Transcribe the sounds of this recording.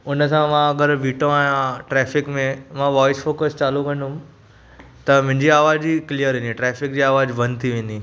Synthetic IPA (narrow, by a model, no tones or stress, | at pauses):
ʊnəsãmãɐɡəɾʋiːʈõaːɦjãʈɾɛːfɪkmẽmãʋɔːɪsfoːkəst͡ɕaːlukɐ̃nd̪ʊm | t̪ɐmʊ̃ɦɪ̃ɲd͡ʑiaːʋaːd͡ʑiklijəɾɦẽːnd̪ĩʈɾɛːfɪk̚d͡ʑiːaːʋaːd͡ʑbɐ̃nt̪ʰiʋẽːn̆d̪i